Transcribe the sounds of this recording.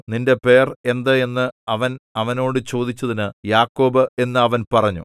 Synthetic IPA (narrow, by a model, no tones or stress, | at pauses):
ninde̞pe̞ːre̞nd̪ɐe̞nːɨɐʋɐnɐʋɐno̞ːɽɨt͡ɕo̞ːd̪it͡ɕːɐðinɨjaːkːo̞ːbɨe̞nːɨɐʋɐnpɐrɐɲːṵ